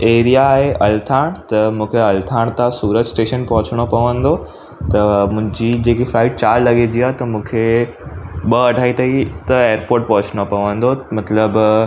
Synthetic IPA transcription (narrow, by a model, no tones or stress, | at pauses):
eːɾijaːɦeʔɐlt̪ʰaːɽ̃t̪ɐmũːkʰeɐlt̪ʰaːɽ̃t̪ãsuːɾəd͡ʑsʈeːʃənpɐɦʊt͡ɕʰɽ̃opɐʋə̃nd̪o | t̪ɐmʊ̃ɦɪ̃ɲd͡ʑid͡ʑeːkifɾaːɪʈ̚t͡ɕaːɾlɐɠed͡ʑiaːɦt̪ɐmũːkʰe | ɓɐɐɖʱaːit̪ʰɐit̪ɐeːəɾpoːɾʈ̚pɐ̃ɦʊt͡ɕʰɽ̃opɐʋə̃nd̪omɐt̪ləb